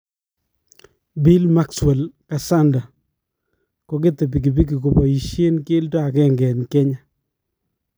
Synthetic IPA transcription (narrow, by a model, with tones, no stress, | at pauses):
bi˦lma˦kswɛ˨lka˨sa˦nda˨ | ko˨k̬e˦t̪e˨p̬i˨k̬i˨b̬i˦k̬i˨ko˨pɔ˨i˨ʃje˦nkɪ˦ltɔ˦a˨kɛ˦˨ŋɡɛ˨nke˦ɲa˨